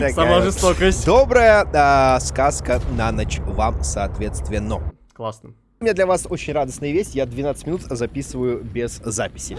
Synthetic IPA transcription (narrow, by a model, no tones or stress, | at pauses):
t̪ɐksɐmaʐɨst̪okəsʲtʲd̪obɾəjəskaskənanət͡ɕvamsɐːt̪vʲet̪st̪vʲɪnːə | klˠasnə | mʲɪnʲad̪lʲɐvasot͡ɕɪnʲrad̪əsnəjəvʲesʲtʲjad̪vʲɪnat̪sɨtʲmʲɪnut̪zɐpʲisɨvəjʊbʲez̥ːapʲɪ̥sʲɪ